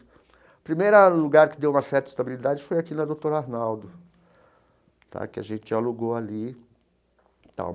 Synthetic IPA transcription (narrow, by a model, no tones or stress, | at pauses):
pɾimejɾɐluɡaɾkɪd̪ewũmɐsɛɾt̪ɐist̪abilid̪ad͡ʒɪfojakinɐd̪owt̪oɾaɾnawd̪ʊ | t̪ʰa̰kɪa̰ʒẽt͡ʃɪaluɡoali | t̪ã̰